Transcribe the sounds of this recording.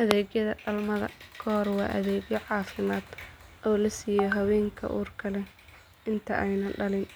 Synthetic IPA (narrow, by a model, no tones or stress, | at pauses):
ʔɐðɛːɡjɐðɐɗɐlmɐðɐ̰kʰɔːrwɑːʔɐðɛːɡjɔʕɑːfɪmaːd̪̥ʔɔːlɐsiːjɛjɦɐwɛːŋkʰɐ̰ʔṵːrkʰɐlɛ | ɪnt̪ʰɐ̰ʔɛjnɐɖɐlɪn